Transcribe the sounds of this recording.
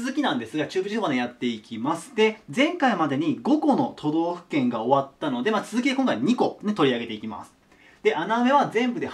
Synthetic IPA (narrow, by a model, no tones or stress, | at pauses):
zɨkʲinãnd̪e̞sɨɡat͡ɕɨːbɯ̟ʑisoad̪ejat̪ːe̞ikʲimasɨ̥t̪e̞d͡zẽ̞ŋkaimad̪e̞ɲ̟iɡo̞ko̞no̞t̪ʰo̞d̪o̞ːɸɯ̟̥kẽ̞ŋɡao̞βat̪ːano̞d̪e̞mat͡sɨzɨkʲid̪ekõŋkaiɲ̟iko̞net̪o̞ɾʲiaɡe̞t̪e̞ikʲima̰sɨ̥ | d̪̥e̞ʔaname̞βazẽ̞mbɯ̟d̪e̞